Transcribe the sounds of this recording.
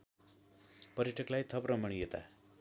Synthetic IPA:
pʌɾjʈʰʌklajt̪ʰʌprʌmʌɽ̃ijet̪a̰

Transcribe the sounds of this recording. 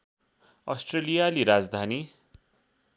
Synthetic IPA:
ʌ̰sʈrelijaliɾad͡zd̪ʱani

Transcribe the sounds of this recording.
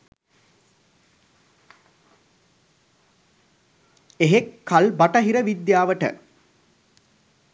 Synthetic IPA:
eɦekʰːalbaʈɐɦiɾəʋid̪jaːʋəʈə̰

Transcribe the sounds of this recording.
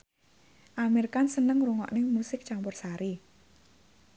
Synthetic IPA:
ʔameɾikansənəŋɾuŋɔ̰ʔnɪŋmusɪk̚t͡ʃampʊrsaɾi

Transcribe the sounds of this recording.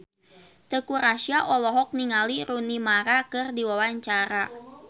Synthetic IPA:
t̪əkuɾaʃiaʔɔlɔɦɔk̚niŋaliɾunimaɾakɨrdiwawaɲt͡ʃaɾa

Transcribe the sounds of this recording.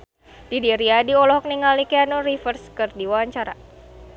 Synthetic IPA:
d̥idiɾiadiɔlɔɦɔk̚niŋalikeanorifərskɨrdiwaaɲt͡ʃaɾa̰

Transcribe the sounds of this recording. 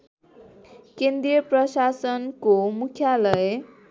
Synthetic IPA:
kend̪ɾijʌprʌsasʌnkomukʰjalʌe

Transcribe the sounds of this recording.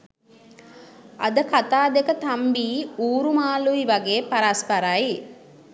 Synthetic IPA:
ɐ̰d̪əkat̪aːd̪ekət̪ambiːuːɾumaːluiʋaɡeːpaɾaspɐɾaːji

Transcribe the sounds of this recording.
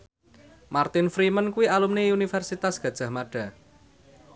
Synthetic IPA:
mart̪ɪnfɾimənkuwialumneunifɛrsit̪asɡ̥ä̤d̥ʒ̥ä̤hmaɖ̥a̤

